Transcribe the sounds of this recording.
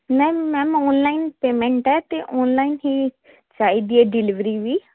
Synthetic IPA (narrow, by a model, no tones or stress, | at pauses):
mɛ̃ːmɛːmɔːnlaːinpeːmɛ̃ɳʈɛːt̪eːʔɔːnlaːinɦiː | t͡ʃaːiːd̪iɛːɖɪlɪʋɾiːʋiː